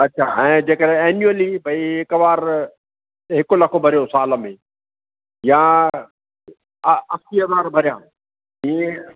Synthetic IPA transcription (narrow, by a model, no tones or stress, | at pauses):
ɐtːʃʰaːɛ̃ːd͡ʑeːkəɾẽɛːnjuəlibɐiɦɪkəʋaːɾ | ɦɪkolɐkʰobʱɐɾijõsaːləmẽ | jã | ɐsiəʋaːɾbʱɐɾɪjãː | ɦẽ